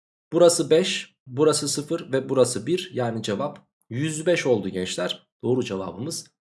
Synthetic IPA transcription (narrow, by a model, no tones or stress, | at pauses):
b̥uɾasɯbɛʃ | buɾasɯsɯfɯɾvɛbuɾasɯbiɾjaːnid͡ʒevap | jyzbɛʃo̞lˠd̪uɟɛnt͡ʃlʲæɾ̥ | d̪̥o̞ːɾud͡ʒeva̰ːbɯmɯz̥